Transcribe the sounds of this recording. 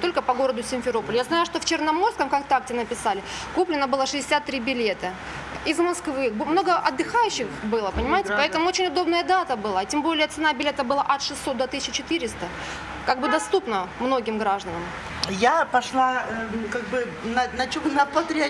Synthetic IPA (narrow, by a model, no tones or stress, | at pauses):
t̪o̞lʲkəpɐɡo̞ɾəd̪ʊsʲɪnʲfʲɪɾo̞pəlʲjaznajʊʂt̪o̞ft͡ɕɪrnɐmo̞rskəmkak̚t̪ak̚tʲɪnəpʲɪsalʲɪkuplʲɪnːəbɨlˠəʂɨdʲɪ̥sʲat̪ːɾʲibʲɪlʲe̞t̪ɐ | ɪzmɐskvɨbmno̞ɡəʔɐd̪ːɨxajʉɕːɪxbɨlˠəpənʲɪmajɪtʲɪɪpɐɛt̪əmʊot͡ɕɪnʲʊd̪o̞bnəjəd̪at̪əbɨlˠaːtʲembo̞lʲɪjət̪sɨnabʲɪlʲe̞t̪əbɨlˠaʔɐt̪ʂɨsːot̪d̪ot̪ɨsʲɪt͡ɕːɪt͡ɕɪt̪ɨɾʲɪst̪ə | kaɡ̚bɨd̪ɐst̪upnəmno̞ɡʲɪmɡɾaʐd̪ənəm | japɐʂlˠakaɡ̚bɨ | nɐnɐt͡ɕunəpɐt̪ɾʲɪɐ